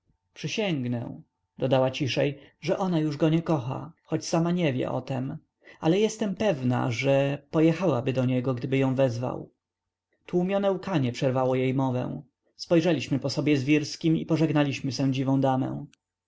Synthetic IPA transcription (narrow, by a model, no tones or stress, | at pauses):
pʂɨɕɛŋɡnɛ̰w̃ | d̪̥ɔd̪awat͡ɕiʂɛjʐɛʔɔnajuʐɡɔɲɛkɔxa̰xɔt͡ɕsamaɲɛvʲjɛ̰ʔɔ̰t̪ɛm | alɛjɛst̪ɛmpɛvna̰ʐɛpɔjɛxawabɘd̪ɔɲɛɡɔɡd̪ɘbɘjɔ̃w̃vɛzva̰w | t̪wumʲjɔnɛukaɲɛpʂɛɾvawɔjejmɔvɛ̰̃w̃ | spɔjʐɛlʲiɕmɘpɔsɔbʲjɛzvʲjiɾskʲimḭpɔʐɛɡnalʲiɕmɘsɛ̃d͡ʑivɔ̃w̃d̪amɛ̰̃w̃